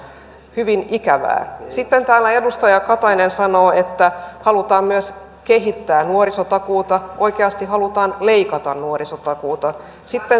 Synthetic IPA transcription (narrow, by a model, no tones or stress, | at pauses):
hyʋinikæʋæ̰ːsit̪ːent̪æːlːæe̞dust̪ɑjɑkɑt̪ɑjnensɑnoːet̪ːæhɑlut̪ɑːmmyøs | keɦit̪ːæːnuorisot̪ɑkuːt̪ɑʔo̞jkeɑst̪iɦɑlut̪ɑːnle̞ikɑt̪ɑnnuorisot̪ɑkuːt̪ɑ | sit̪ːe